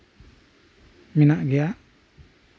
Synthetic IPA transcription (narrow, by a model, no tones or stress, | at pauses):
minaʔɡɛjaʔ